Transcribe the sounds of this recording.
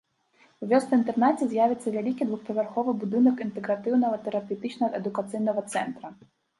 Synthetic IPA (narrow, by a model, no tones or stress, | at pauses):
wvʲɔst̪ɐint̪ɛrnat͡sʲɛzʲjavʲɛt̪sːɐvʲalʲikʲid̪vuxpɐvʲarxɔvɨbud̪ɨnɐkint̪ɛɡɾat̪ɨwnɐɣɐt̪ɛɾapʲɛwt̪ɨt͡ʃnɐɛd̪ʊkat̪sɨjnɐɣɐt̪sɛnt̪ɾɐ